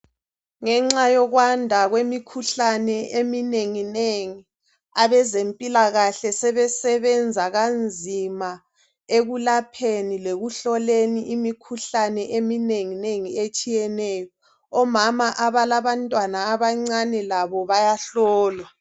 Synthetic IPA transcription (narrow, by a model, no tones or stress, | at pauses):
ŋɛŋ͡ǀajɔɣwandʱaɣwemikʰuɬanɛʔemineŋineŋi | aβɛzempʼilaɣaɬɛsɛβɛsɛβɛnd͡zʱaɣand͡zʱima | eɣulapʰenileɣuɬɔleniʔimikʰuɬanɛʔemineŋineŋiet͡ʃʼijɛnɛːjɔ | ɔmamaʔaβalaβantʼwanaːβaŋ͡ǀanɛlaβɔβajaɬɔːlwa